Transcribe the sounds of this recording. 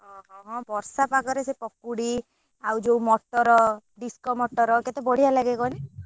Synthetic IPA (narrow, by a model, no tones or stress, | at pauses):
ɔɦɔ̃ɦɔ̃bɔɾsapakɔɾesepɔkːuɽi | awd͡ʒomɔʈːɔɾɔɖiskɔmɔʈːɔɾɔket̪ebɔɽ̤ialaɡekɔni